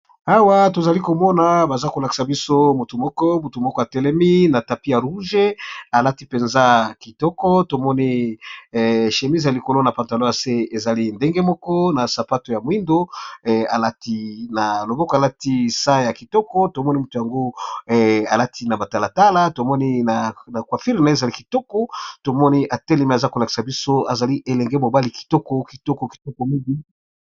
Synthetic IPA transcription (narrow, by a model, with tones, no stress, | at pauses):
a˦wa˦to˨za˨li˦ko˨mɔ˦na˨ba˨za˦ko˨la˨ki̥˦sa˨bi˦so˦mu˨tu˨mɔ˦kɔ˦mu˨tu˨mɔ˦kɔ˦a˨tɛ˨lɛ˦mi˦na˨ta˨pi˦ja˨ɾu˦ʒe˦a˨la˦ti˦pe˨nza˦ki˨tɔ˦kɔ˦to˨mɔ˦ni˦˨ | ʃe˨mi˦ze˨a˨li˨ko˨lo˦na˨pa˨nta˨lo˦ja˨se˦e˨za˨li˦nde˦ŋɡe˦mɔ˦kɔ˦na˨sa˨pa˦to˨ja˨mwi˦ndo˦˨a̰˨la˦ti˦na˨lo˨bɔ˦kɔ˨a˨la˦ti˦sa˦ja˨ki˨tɔ˦kɔ˦to˨mɔ˦ni˦mu˦to˨ja˨ŋɡo˦˨ | a˨la˦tʰi˦na˨ba˨ta˨la˨ta˦la˦to˨mɔ˦ni˦n˨na˨kwa˨fi˦ʁi˨na˨˦˨e˨za˨li˦ki˨tɔ˦kɔ˦to˨mɔ˦ni˦ʔa˨tɛ˦le˨me˨a˨za˦ko˨la˨ki̥˨sa˨bi˦so˦a̰˨za˨li˦ʔe˨lɛ˨ŋɡɛ˦mo˨ba˦li˨ki̥˨tɔ˦kɔ˦ki˨tɔ˦kɔ˨ki̥˨tɔ˦kɔ˨mi˦ŋɡi˦